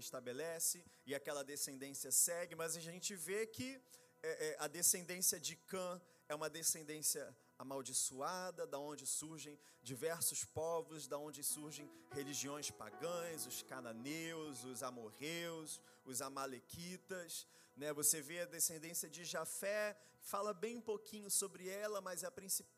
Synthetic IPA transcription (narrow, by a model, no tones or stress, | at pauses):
ɪʃt̪abelɛsɪɪakɛlɐd̪esẽnd̪ẽsiɐsɛɡɪmɐzaʒẽnt͡ʃɪvekɪ | ɛʔɛɐd̪esẽnd̪ẽsiɐd͡ʒɪkɐ̃ | ɛũmɐd̪esẽnd̪ẽsiɐ | amawd͡ʒisuad̪ɐd̪ɐõnd͡ʒɪsuɾʒẽj̃ | d͡ʒivɛɾsʊspɔvʊzd̪ɐõd͡ʒɪsuɾʒẽj̃heliʒiõj̃spa̰ɡɐ̃j̃zʊskanɐ̃newzʊzamoʁews | ʊzamalekʰit̪ɐs | nɛvoseveɐd̪esẽnd̪ẽsiɐd͡ʒɪʒafɛ | falɐbẽj̃ũpokʰĩɲʊsobɾɪɛlɐmɐzɛɐpɾĩsip